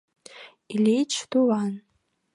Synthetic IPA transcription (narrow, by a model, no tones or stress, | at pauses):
ilejt͡ʃʰduwan